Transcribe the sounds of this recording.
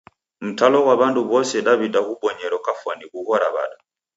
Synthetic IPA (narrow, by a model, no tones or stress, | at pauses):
m̩talɔwaβanduβɔsɛɗaβidahuɓɔɲɛɾɔkafwanikuhɔɾaβa̰ɗa